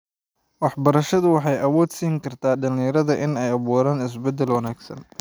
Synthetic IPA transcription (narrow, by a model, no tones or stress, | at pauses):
wɑħbɐɾɐʃɐðʊwɑħɑjɐwɔːd̪siːŋkʰɐrt̪ʰaːɖɐlɪjɐɾɐðɐʔɪnɛjɐβuːɾaːnɪs̬bɛd̪ɛlwɐnaːɡsɐ̰n